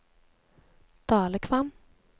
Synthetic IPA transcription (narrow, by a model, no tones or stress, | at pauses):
d̪̥ʰɑːləkʰvamː